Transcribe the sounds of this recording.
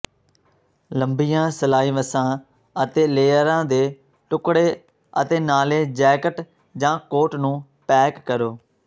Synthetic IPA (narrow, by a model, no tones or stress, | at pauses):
ləmbiːjãːsəlaːiːʋəsãː | ət̪eːleːəɾãːd̪eː | ʈʊkɽeː | ə̰t̪eːnaːleːd͡ʒɛːkəʈ | d͡ʒãːkoːʈnũː | pɛːkːəɾoː